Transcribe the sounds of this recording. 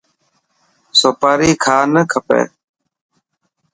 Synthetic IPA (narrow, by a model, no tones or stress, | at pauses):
soːpaːɾiːkʰaːnəkʰəpḛː